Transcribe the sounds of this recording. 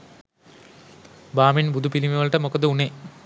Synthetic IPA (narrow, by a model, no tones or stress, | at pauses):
baːminbud̪upilimiʋɐɭʈɐmokːɐt̪ɨuɳe